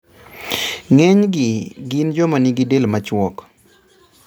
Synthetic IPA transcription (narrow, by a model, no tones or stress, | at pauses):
ŋɛɲɡɪɡɪnd͡ʒɔmaniɡɪdelmat͡ʃwɔk